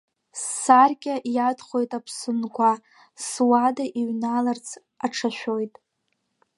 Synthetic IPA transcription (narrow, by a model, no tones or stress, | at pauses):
sːarkʲʼaʔjadχo̞jtʼapʰsɨnkʷʰa | swadaʔiɥnalart͡sʰ | aʈ͡ʂʰaʃᶣo̞jtʼ